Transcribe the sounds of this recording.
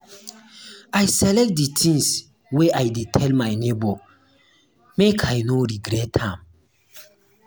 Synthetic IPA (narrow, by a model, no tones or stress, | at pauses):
ajsɛlɛk̚t̚ditʰĩŋs | weʔajdetʰɛlmajnebo | mekʰajnoɾiɡɾɛtːãm